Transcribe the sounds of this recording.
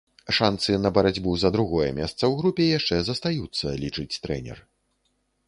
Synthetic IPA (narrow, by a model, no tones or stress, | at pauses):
ʂant̪sɨnɐbɐɾad͡zʲbuzɐd̪ɾuɣɔjɛmʲɛ̰st̪sɐwɣɾupʲɛjaʂt͡ʂɛzɐst̪ajut̪sːɐlʲit͡ʂɨt͡sʲt̪ɾɛ̰nʲɛ̰r